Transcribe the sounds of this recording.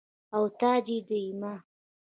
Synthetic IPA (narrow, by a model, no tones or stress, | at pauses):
awt̪ɑd͡ʒid̪əima